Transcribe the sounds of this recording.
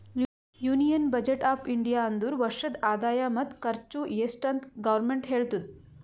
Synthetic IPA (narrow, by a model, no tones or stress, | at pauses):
juːnijɐnbɐd͡ʒeʈaːpʰiɳɖijaɐnd̪uːɾʋɐɾʃɐd̪aːd̪aːjamɐt̪kɐɾt͡ʃujeːsʈɐnt̪ɡɐʋɐɾmeɳʈɦeːɭt̪ud̪̚